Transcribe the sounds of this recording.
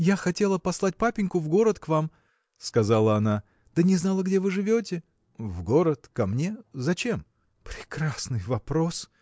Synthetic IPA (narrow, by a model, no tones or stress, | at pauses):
jaxɐtʲe̞lˠəpɐslˠat̚ʲpapʲɪnʲkʊvɡo̞ɾət̪kvam | skɐzalˠəɐna | d̪̥ənʲɪznalˠəɡdʲe̞vɨʐɨvʲot̬ʲɪ | vɡo̞ɾət̪kɐmnʲe̞zɐt͡ɕe̞m | pɾʲɪkɾasnɨjvɐpɾo̞s